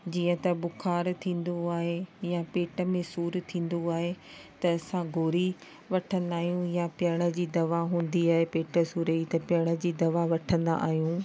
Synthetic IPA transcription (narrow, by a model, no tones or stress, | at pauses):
d͡ʑiːə̃t̪ɐbʊkʰaːɾt̪ʰĩːn̆d̪oaːɦejapeːʈə̆mẽsuːɾt̪ʰĩːn̆d̪oaːɦet̪ɐɐsãɡʱoːɾi | ʋɐʈʰə̃nd̪aːɦijũjapɪjɐɽ̃ə̆d͡ʑiːd̪ɐʋaɦũːn̆d̪iaːɦepeːʈə̆suːɾəit̪ɐpɪjəɽ̃ə̆d͡ʑiːd̪ɐʋaʋɐʈʰə̃nd̪a̰ʔaːɦijũː